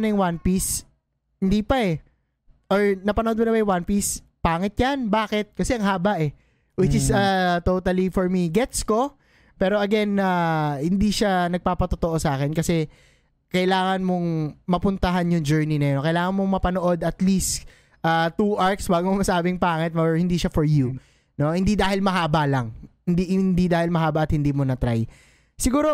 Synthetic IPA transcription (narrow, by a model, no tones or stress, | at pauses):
nɐjʊŋwanpis | hɪnd̪ipɐʔɛ | ʔoɹnɐpɐnoʔod̪monɐbɐjʊwanpis | paːŋɪt̪̚janbaːkɛt̪̚kɐsɛʔɐŋɦaːbɐʔɛ | wɪt͡ʃɪsɐt̪owt̪ɐlifɔɹmiɡɛt̪sko̞ | pɛːɾoʔɐɡɛnahɪnd̪iʃanɐɡ̚paːpɐt̪ot̪oʔo̞sɐʔaːkɛnkɐsɛ | kɐʔɪlaːŋɐnmo̞ŋmɐpʊnt̪ɐɦanjʊŋd͡ʒɛɹninɐjonkɐjlaːŋɐnmoŋmɐpɐnoʔo̞d̪ɐt̪list̪ | ʔaːt̪uʔaɹksbaːɡomomɐsaːbɪŋpaːŋɐt̪̚moɹhɪnd̪iʃafɔɹju | no̞hɪnd̪id̪aːhɪlmɐɦaːbalɐŋhɪnd̪ihɪnd̪id̪aːhɪlmɐɦaːbɐʔɐt̪̚hɪnd̪iːmonɐt̪ɾaj | sɪɡuːɾo